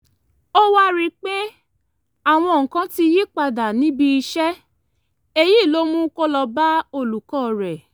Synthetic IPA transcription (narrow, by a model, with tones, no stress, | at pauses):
o˦wa˦ɾi˦k͡pe˦ | a˨w̃ɔ̃˧˨ŋ̩˨kã˧˦ti˧ji˦k͡pa˧da˨nĩ˨˦bi˧i˧ʃɛ˦ | e˧ji˦˨lo˦mũ˦kɔ˦lɔ˧ba˦o˧˨lu˨kɔ˦˨ɾɛ˨